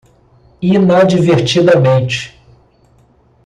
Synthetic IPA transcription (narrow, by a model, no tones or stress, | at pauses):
inad͡ʒiveɾt͡ʃid̪ɐmẽnt͡ʃɪ̥